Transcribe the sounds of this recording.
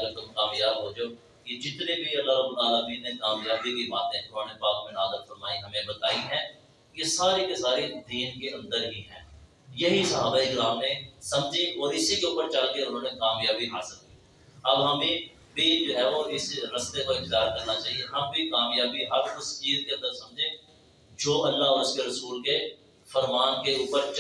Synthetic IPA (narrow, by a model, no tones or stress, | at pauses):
let̪omkaːmjaːbɦoːd͡ʒoː | ked͡ʒɪt̪nẽbʱiɐlːaɦɾəbːʊlaːlaːbiːnnekaːmjaːbikibaːt̪ẽʊnõːnepaːk̚mẽnaːzəɾfɐɾmaːiɦɐmẽbɐt̪aːiɦɛ̃ː | kesaːɾekesaːɾed̪iːnkeʔɐ̃nd̪əɾɦiɦɛ̰̃ː | jɐɦisɐɦaːbaːikɾaːmnẽsɐ̃md͡ʒẽʔɔːɾɪsikeuːpəɾt͡ʃaːkeʊnɦõːnekaːmjaːbiɦaːsɪlki | ɐbɦɐmẽ | bʱid͡ʒoːɦɛːʋoɪsɾɐst̪ekoɪkd̪aːɾkɐɾnat͡ʃaːɦieɦɐmbʱikaːmjaːbiɦɐɾʊst͡ʃiːzkeɐ̃nd̪əɾsɐ̃md͡ʒʱẽː | d͡ʒoːʔɐlːaɔːɾʊskeɾɐsuːlke | fɐɾmaːnkeuːpəɾt͡ʃ